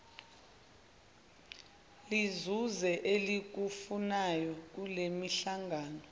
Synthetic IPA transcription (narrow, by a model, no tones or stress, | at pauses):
lizuzɛʔelik̬ufunajɔk̬ulemiɬaŋɡʱaːnɔ